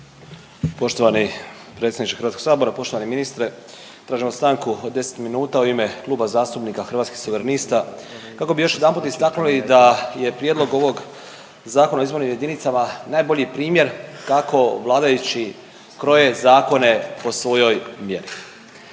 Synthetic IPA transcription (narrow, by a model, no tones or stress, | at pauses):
po̞ʃt̪o̞ʋani | pɾet̪sʲed̪it͡ʃexɾʋat̪koɡ̥saːbo̞ɾapo̞ʃt̪oaneminist̪ɾe | t̪ɾaːʒimost̪aŋkuod̪d̪ːe̞se̥t̪minuːt̪auime̞klˠuːbazaːst̪upnikaxɾ̩ʋat̪skixsoʋeɾanist̪a | kako̞bijo̞ʃje̞d̪anmput̪ist̪aknulid̪aje̞pɾjed̪lˠo̞ɡo̞ʋo̞ɡ | zaːko̞naoizbo̞ɾnimje̞d̪init̪samanaːjbo̞ʎipɾiːmje̞ɾkako̞ʋlˠaːd̪ajut͡ɕi | kɾo̞je̞zaːko̞ne̞po̞sʋo̞jo̞jmje̞ɾi